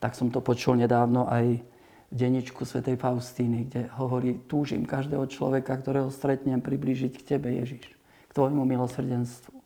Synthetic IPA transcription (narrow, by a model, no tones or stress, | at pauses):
t̪aksɔmt̪ɔpɔt͡ʃulɲɛd̪aːʊnɔʔaj | vɟɛɲːit͡ʃkusʋɛt̪ɛjfaʊst̪iːniɡɟɛɦɔʋɔɾiːt̪uːʒḭmkaʒd̪ɛːɦɔt͡ʃlɔ̰ʋɛkakt̪ɔɾɛːɦɔst̪ɾɛt̪ɲɛmpɾibliːʒickcɛbɛjɛ̰ʒiʃ | kt̪ʋɔjmumilɔsr̩ɟɛnst̪ʋu